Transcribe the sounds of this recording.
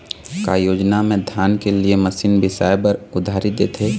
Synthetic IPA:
ka̰ːjoːd͡ʒnamẽd̪ʱjaːnkelieməsiːnbɪsaːjpəɾʊd̪ʱaːɾɪd̪eːt̪ʰe

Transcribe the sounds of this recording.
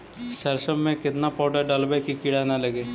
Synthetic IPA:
sɛlʃəmːẽkɪt̪napɔːɖaɖəlbekikɪɽanaləɡeː

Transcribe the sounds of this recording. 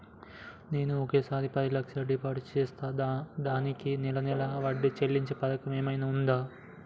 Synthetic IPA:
neːnuɔkeːsaːɾipɐd̪ilɐkʂɐlɖipaːɖst͡ʃɛːst̪aːd̪aːnikinilɐnilɐʋɐɖːit͡ʃe̞lːiɲt͡ʃepɐt̪ɐkɐmeːmɐjnaːund̪aː

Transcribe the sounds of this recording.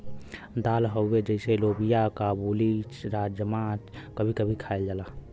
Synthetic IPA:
d̪alɦəwːed͡ʒəɪselobijakabulit͡ʃɾad͡ʒjəmat͡ʃkəbʱikəbʱikʰaeld͡ʒala

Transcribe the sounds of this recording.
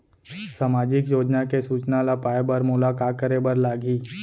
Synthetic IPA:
samaːd͡ʒɪkjoːd͡ʒnakesuːt͡ʃnalapaːebəɾmʊlaːkaːt̪̚kəɾebəɾlaːɡiː

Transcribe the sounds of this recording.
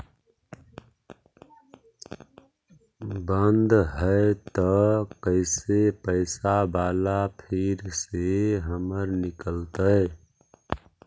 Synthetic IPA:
bənd̪ʱɦəet̪ɔkəɪsepəɪsabaːlapʰiɾseɦəməɾnikəlt̪əɪ

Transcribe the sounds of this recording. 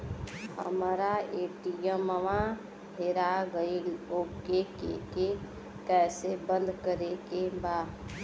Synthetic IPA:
hə̰mɾaeːʈijəməʋã | ɦeɾaɡəiloːɡ̚kekḛke | kɛːsebə̃nd̪ʱkəɾekebaː

